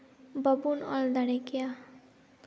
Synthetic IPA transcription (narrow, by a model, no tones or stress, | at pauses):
bʌbunʌ̰ld̪aɽekja